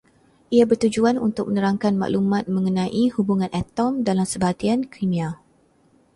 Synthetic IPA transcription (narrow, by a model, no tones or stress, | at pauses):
ʔiabərt̪ud͡ʒuanṵnt̪ʊk̚mənəɾaŋkanma̰ʔlumãt̪̚mə̃ŋənãʔihubuŋãnɛt̪ɔmdalamsəbat̪iankʰimĩa